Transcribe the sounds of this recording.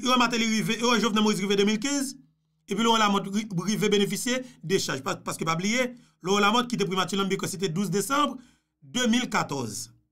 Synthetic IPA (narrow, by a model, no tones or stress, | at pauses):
oɛ̃mat̪ɛ̃liɣiveoɛ̃ʒovnɛ̃moizʁived̪ømilk̬ɛ̃z | epɥilɔɛ̃lamɔ̃t̪iʁivebenefisjedeʃaʒpapaskøpablije | lɔɛ̃lamɔ̃t̪̚kit̪̬epɣimatylnɐ̃mbikɔ̃set̪̬ɛd̪uzdesɑ̃bʁ | d̪ømilkat̪ɔz